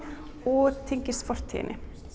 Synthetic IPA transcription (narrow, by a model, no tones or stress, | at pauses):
ɔt̪ʰɛŋkəsfɔɾ̥t̪ʰːɪ̰ːnʔɪ̰